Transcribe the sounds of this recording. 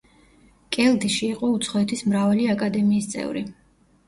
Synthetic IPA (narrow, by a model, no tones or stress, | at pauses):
kʼɛlˠd̪iʃiːqʼɔut̪sʰχɔɛt̪ʰismɾavaliakʼad̪ɛmiːst̪sʼɛ̰vɾḭ